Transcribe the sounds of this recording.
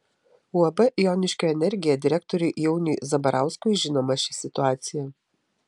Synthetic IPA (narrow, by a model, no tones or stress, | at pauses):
ʊɐbɐʔjoːnʲɪʃʲkʲoɛnʲɛɾʲɡʲɪjɛd̪ʲɪɾʲɛk̚t̪ɔɾʲɛɪʔjɛʊnʲiːzɐbɐɾʔɑˑʊskʊɪʒʲɪnoːmɐʃʲɪsʲɪt̪ʊaːt̪sʲɪjɛ